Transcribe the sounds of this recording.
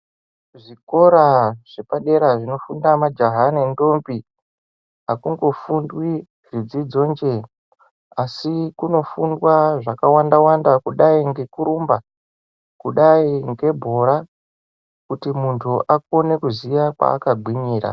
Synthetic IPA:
ʐiko̞ɾaʐ̥epaɗe̞ɾaʐino̞fundamad͡ʒoɦanendo̞mbi | ɦakuŋɡo̞fundwi | rid͡zid͡zo̞nd͡ʒe̞ | asikuno̞fundwaʐakawandawandakuɗaiŋɡe̞kuɾumba | kuɗaiŋɡe̞bʱo̞ɾa | kutimuntʰuʔak̚o̞ne̞kuziʋakwa̰ːkaɡʱwiɲiːɾa̰

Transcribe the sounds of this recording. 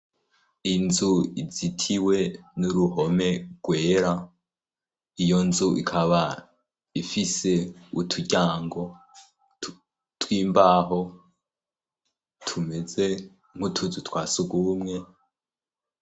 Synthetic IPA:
inzuizitʰiwe̞nuɾuɦo̞me̞ɡ̥we̞ːɾa | ijo̞nzuʔḭkʰaβa | ifise̞utʰuɟaːŋɡo̞ | t | twiːmbaɦo̞ | tʰume̞ze̞ | ŋ̥hutʰuzutʰwaːsuɡumŋe̞

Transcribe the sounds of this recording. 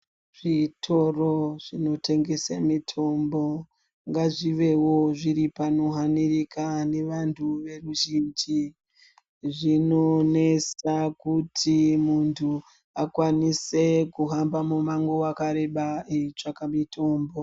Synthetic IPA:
ʐ̥itʰo̞roʐ̥ino̞te̞ŋɡe̞semitʰo̞mbo̞ | ŋɡaʐiʋe̞wo̞ʐiɾipanoɦanirikane̞ʋantʰuʋe̞ruʒind͡ʒi | ʐino̞ne̞sakutʰimuntʰu | akwanise̞kuɦambamumaŋɡoakaɾe̞ɓaet͡ʂakamitʰo̞ːmbo̞

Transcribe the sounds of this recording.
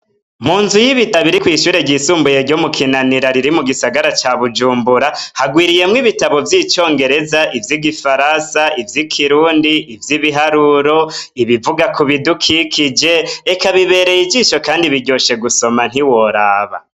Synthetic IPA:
muːnzujiβitaβiɾikwiːʃuːɾe̞ɟisuːmbuje̞ɾɟomukʰinaniɾaɾiɾimuɡisaɡaɾat͡ʃaβud͡ʒuːmbuɾahaɡwiːɾije̞mŋiβitaβo̞vjiːt͡ʃo̞ːŋɡe̞ɾe̞zaʔivjiɡifaɾansaivjikʰiɾuːndiːvjiβiɦaɾuɾo̞iβivuɡakuβidukʰikʰid͡ʒe̞ekaβiβe̞ɾe̞jid͡ʒiːʃo̞kaːndiβiɟo̞ʃe̞ɡuso̞man̥iwo̞ɾaːβa̰

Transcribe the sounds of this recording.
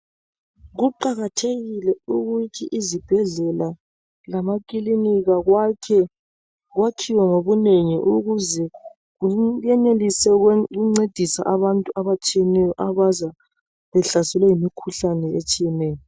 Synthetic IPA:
ɣuǃaɣatʰeɣilɛuɣutʰiʔizib̥ʱɛɮɛla | lamakʼiliniɣaɣwakʰɛ | ɣwakʰiwaŋoβuneŋiʔuɣuzɛ | ɣujɛnelisɛɣuŋ͡ǀed̥ʱisa̰ʔaβantʼuaβat͡ʃʼijɛnɛjɔʔaβaza | βɛɬasɛlwɛjimikʰuɬanɛet͡ʃʼijɛnɛːjɔ

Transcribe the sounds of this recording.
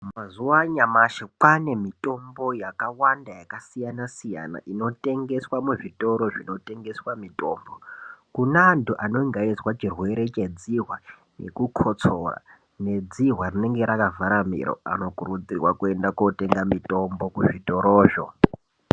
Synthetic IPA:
mazuwaɲamaʃekane̞mitʼo̞mbo̞jakawandajakasijanasija̰na̰ʔino̞tʼe̞ŋɡe̞swamuʐitʼo̞ɾoʐino̞tʼe̞ŋɡe̞swamitʼo̞ːmbokunaːntuʔano̞iŋɡaiswat͡ʃirwe̞ɾe̞t͡ʃe̞d͡ziɦwa | nḛkukʰot͡sora̰ | ne̞d͡ziɦwarine̞ŋɡe̞ɾakavʱaɾamḭɾo̰a̰no̞kurud͡zirwakuendakote̞ŋɡamitʼo̞mbo̞kuʐito̞ɾoːʐo̰

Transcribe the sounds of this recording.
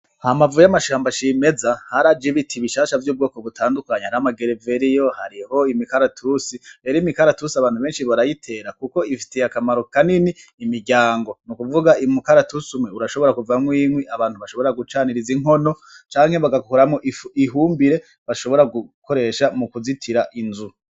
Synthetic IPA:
hamavujamaʃaːmbaʃime̞zahaɾad͡ʒiβitʰiβiʃaːʃavjuːb̚ɡo̞ːko̞ɡutʰaːndukaɲehaɾhamaɡeɾeve̞ɾijo̞haɾiho̞imikaɾatʰusibeːɾiimikaɾatusiaβaːnhuβe̞ːnʃiβaɾajitʰe̞ːɾakuko̞ifi̥tejakamaɾo̞kaniniːmiɾɟaːŋɡo̞nukuvuɡaimukaɾatusumweuɾaʃo̞βo̞ɾakuvamwiːŋwiʔaβaːnthuβaʃo̞βo̞ɾaɡut͡ʃaːniɾiziŋ̥o̞no̞ | t͡ʃaːŋ̥he̞βaɡakukoɾamoʔiɦuːmbiɾe̞ | βaʃo̞βo̞ɾaɡuko̞ɾe̞ʃamukuzitʰiɾaʔinzu

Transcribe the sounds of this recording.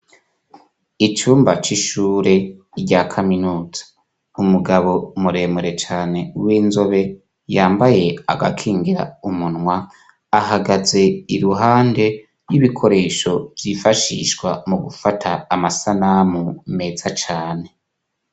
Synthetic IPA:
it͡ʃuːmbat͡ʃiʃuːɾe̞ | ɟakʰaminuːz̥ḁ | umuɡaβo̞muɾe̞ːmuɾe̞t͡ʃaːne̞wiːnzo̞βe̞ | jaːmbaje̞a̰ɡa̰kʰiːŋɡiɾa̰umunŋwaː | ɦaɡaze̞iɾuɦaːnde̞ | jiβikʰo̞ɾe̞ːʃo̞vjifaʃḭʃɡwamuɡufatʰaːmasanamume̞ːz̥at͡ʃaːne̞

